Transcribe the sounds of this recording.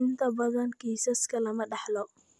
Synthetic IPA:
ɪnt̪ʰɐbɐðɐnkʰiːsɐskʰɐlɐmɐɖɑħlɔ

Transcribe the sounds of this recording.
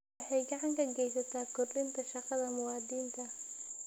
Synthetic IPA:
ɑħɑjɡɐʕɑŋkʰɐɡɛjsɐt̪ʰaːkʰʊrlɪnt̪ʰɐʃɑqɑðɐmʊwɑːd̪iːnt̪ʰɐ

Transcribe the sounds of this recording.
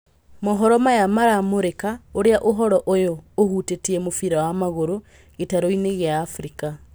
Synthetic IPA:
mɔɦɔɾɔmajamaɾamoɾekaoɾeaʔoɦɔɾɔʔojoːhuːtetiɛmofiɾawamaɣoɾo | ɣetaɾoineɣeaːfɾika

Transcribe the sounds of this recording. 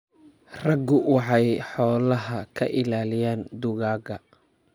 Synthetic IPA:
rɐɡʊwɑħɑjħɔːlɐɦɐkʰɐʔɪlaːlɪjaːnd̪ʊɣaːɣɐ

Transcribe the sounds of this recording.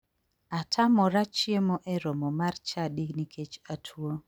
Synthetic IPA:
atʰamɔɾat͡ʃjemɔʔɛɾomomart͡ʃadiɡnikʰet͡ʃatʰwo

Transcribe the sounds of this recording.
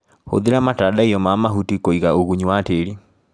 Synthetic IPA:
ho̰ðeɾamatadaiɔmamaɦutikoiɣaoɣuɲuwateɾi

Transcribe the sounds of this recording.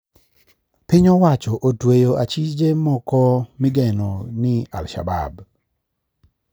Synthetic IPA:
pɪɲɔwat͡ʃɔʔotwejoat͡ʃid͡ʒemɔkɔmɪɡɛnonɪa̰lʃa̰ba̰b

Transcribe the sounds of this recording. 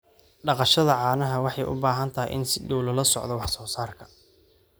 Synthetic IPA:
ɖɑqɑʃɐðɐʕɑːnɐɦɐwɑħɑjʔʊ̰baːɦɐnt̪ʰɐɦḭjʔɪ̰nsɪɖɔwlɐlɐsɔ̰ʕd̪ɔwɑħsɔːsaːrkʰɐ̥

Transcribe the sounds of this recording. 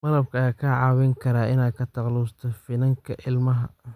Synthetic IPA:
mɐlɐb̚kʰɐɐjaːkʰɐʕɑːwɪŋkʰɐɾaːɪnaːkʰɐt̪ʰɐqlust̪ʰɔfɪnɐŋkʰɐʔɪlmɐɦɐ̰

